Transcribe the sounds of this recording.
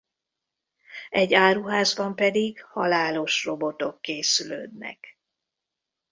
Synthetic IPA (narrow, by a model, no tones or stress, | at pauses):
ɛɟːaːɾuɦaːzbɒmpɛd̪iɡhɒlaːlo̞ʃro̞bo̞t̪o̞kːeːsylø̰ːd̪nɛ̰k